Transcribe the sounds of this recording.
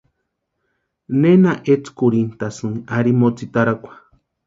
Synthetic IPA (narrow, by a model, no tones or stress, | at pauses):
nenaʔet͡skuɾint̪asɨŋaɾimot͡sit̪aɾakʷḁ